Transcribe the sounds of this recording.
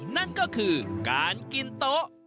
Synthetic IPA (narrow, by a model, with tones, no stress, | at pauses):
na˥˩nkɔː˥˩kʰɯː˧kaː˨˧nki˧nt̪o˦˥ʔ